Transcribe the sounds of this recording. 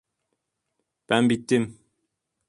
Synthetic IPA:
pæmbitːim

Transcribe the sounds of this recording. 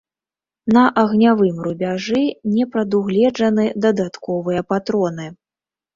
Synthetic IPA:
nɐʔɐɣnʲavɨmrubʲaʐɨnʲɛpɾɐd̪uɣlʲɛd͡ʐɐnɨd̪ɐd̪at̪kɔvɨjɐpat̪ɾɔnɨ

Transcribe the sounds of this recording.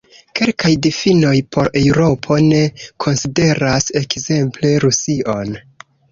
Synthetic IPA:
ke̞lkajdifino̞jpʰo̞ɾewɾo̞pʰo̞ne̞kʰo̞nside̞ɾase̞kze̞mple̞ɾusiʔo̞n

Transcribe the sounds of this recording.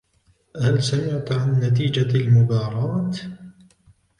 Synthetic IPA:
halsamɪʕt̪ʕanːat̪̬iːd͡ʒalmʊbɑːɾˤɑːt̪

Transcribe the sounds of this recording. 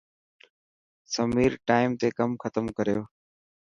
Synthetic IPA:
səmiːɾʈaːɪmt̪eːkəmxət̪əmkəɾjoː

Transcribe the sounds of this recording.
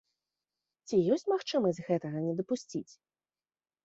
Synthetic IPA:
t͡sʲijɔsʲt͡sʲmaxt͡ʂɨmɐsʲzʲɣɛt̪ɐɣɐnʲɛd̪ɐpusʲt͡sʲit͡sʲ

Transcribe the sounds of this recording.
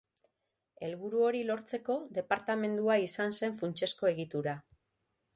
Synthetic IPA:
e̞lβuɾuo̞ɾilo̞ɾt͡se̞ko̞ðe̞paɾt̪ame̞nd̪uaisanse̞ɱfunt͡ʃe̞sko̞e̞ɣit̪uɾa

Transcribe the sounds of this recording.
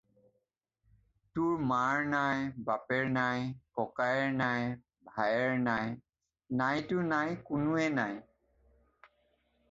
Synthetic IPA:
tʊɹmaɹnajbapɛɹnajkɔkajɛɹnaj | bʱajɛɹnaj | najtʊnajkʊnʊɛnaj

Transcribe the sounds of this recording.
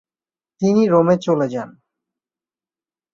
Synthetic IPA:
t̪iniɾomet͡ɕoled͡ʑan

